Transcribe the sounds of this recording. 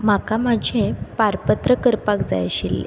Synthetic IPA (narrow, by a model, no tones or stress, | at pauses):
m̤akamad͡ʑʱẽpaɾpət̪ɾəkəɾpakd͡za̰jəɕilḛ